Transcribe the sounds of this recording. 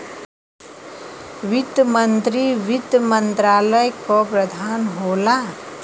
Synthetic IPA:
ʋid̪jəmənt̪ɾiʋit̪jəmənt̪ɾaːləjkɔpɾəd̪ʱaːnɦoːla

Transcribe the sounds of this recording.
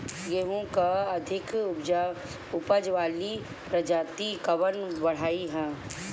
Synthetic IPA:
ɡeːɦõkaɐd̪ʱɪkd͡ʒa | ʊpəd͡ʒʋaːli | pɾɐd͡ʒaːt̪ikɐʋənbɐɽ̤aːiɦɛ̃ː

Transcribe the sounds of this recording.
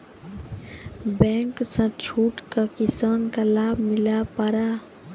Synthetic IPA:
bɛ̃ŋksə̃t͡ʃʰuːʈkakisankalabʱmilapəɾa

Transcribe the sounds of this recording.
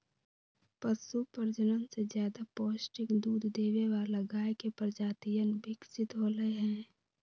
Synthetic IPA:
pəsupəɾd͡ʒənənsed͡ʒjaːd̪apoːsʈɪkd̪uːd̪ʱd̪eːʋeʋaləɡaːekepəɾd͡ʒaːt̪ijənbɪksɪt̪ɦoːləeɦɛ̃ː

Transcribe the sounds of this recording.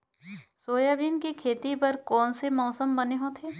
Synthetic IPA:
soːjaːbiːnkikʰeːt̪ipɐɾkɔːnsemɔːsəmbɐneɦõt̪ʰeː

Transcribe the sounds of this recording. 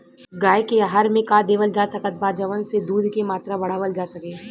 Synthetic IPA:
ɡaːekeaɦaɾmẽkaːd̪eːʋəld͡ʒaːsɐkət̪̚baːd͡ʒəʋənsed̪uːd̪ʱkemaːt̪ɾabɐɽ̤aːʋəld͡ʒaːsɐkẽː

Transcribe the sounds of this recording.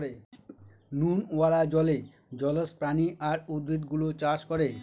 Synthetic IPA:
e | nunoaɽad͡ʑɔle | d͡ʑɔlospɾaniʔaɾud̪ɾit̪ɡulot͡ɕaʃkɔɾe

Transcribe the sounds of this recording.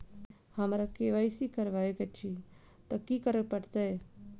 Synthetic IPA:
hɐmɾakeʋaisikəɾʋaekɐt͡ʃʰi | t̪ɐkikəɾəpəɽt̪ae

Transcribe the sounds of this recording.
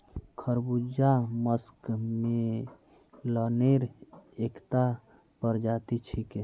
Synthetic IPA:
kʰəɾbud͡ʒaməskme | ləneɾekt̪a | pəɾd͡ʒat̪it͡ʃʰike

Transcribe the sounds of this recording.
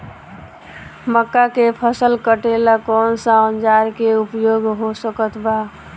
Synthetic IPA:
məkːakepʰəsəlkəʈelakɔnsãənd͡ʒaɾkeupjoɡɦosəkət̪ʰba

